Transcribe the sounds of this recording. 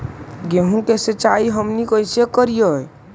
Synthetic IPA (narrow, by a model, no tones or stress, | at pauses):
ɡeɦũkeset͡ʃaiɦəmnikəjsekəɾijəj